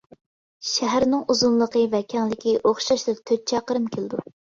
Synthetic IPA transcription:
ʃæɦæɾnɪŋuzunlˠəqʰəvɛkʲʰɛŋlɪkʲiʔoχʃɑʃlˠək̚ʲt̪ʰøt̪̚t͡ʃʰɑqəɾɨmkʲelɪd̪u

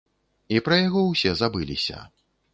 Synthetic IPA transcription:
ipɾɐjaɣɔwsʲɛzabɨlʲḭsʲɐ̰

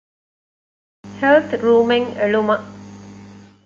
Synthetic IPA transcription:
helt̪ʰɾuːmeŋeɭumɐ

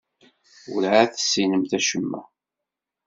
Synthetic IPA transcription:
ʊlʕaθəsːinəmθæʃəmːæ̰

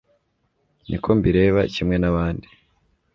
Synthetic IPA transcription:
nʔḭkʰombiɾe̞ːβa̰cimŋe̞naβaːndi

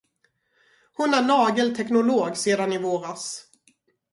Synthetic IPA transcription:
hʊnæɳɑːɡəlt̪ʰɛknʊloːɡseːd̪anɪvoːɾas

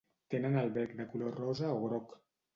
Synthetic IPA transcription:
t̪enənalˠβɛɾknakulorɔzaoɣɾok

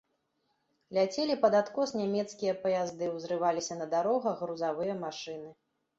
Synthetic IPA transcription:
lʲat͡sʲelʲipɐd̪at̪kɔsnʲamʲɛt̪skʲijɐpɐjazd̪ɨwzɾɨvalʲisʲɐnɐd̪aɾɔɣɐɣɾuzavɨjɐmaʂɨnɨ

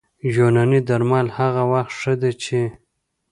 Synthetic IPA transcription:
ʒonanid̪aɾmɑlhaɣawaxt̪ʂəd̪et͡ʃʰe

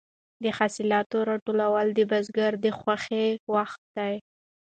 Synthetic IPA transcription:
d̪əxasilɑt̪oɾɑʈolawəld̪əbazɡaɾd̪əxwaxewaxt̪̚d̪aj

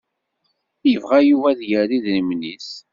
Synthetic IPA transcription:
jəvʁæjuvæðjəɾiðnəmnis

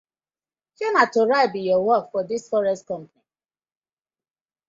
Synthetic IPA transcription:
ʃɔnatoɹaɪbijɔwɔkfɔdisfɔɹɛst̚kɔ̃mpani

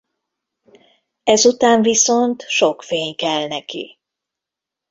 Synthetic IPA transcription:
ɛzut̪aːɱviso̞nt̪ʃo̞kfeːɲkɛlnɛkḭ

